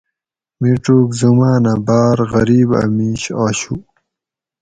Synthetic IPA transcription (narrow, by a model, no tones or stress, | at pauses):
miʈ͡ʂukzumaːnabaːɾɣɐɾiːba̰miːɕaːɕu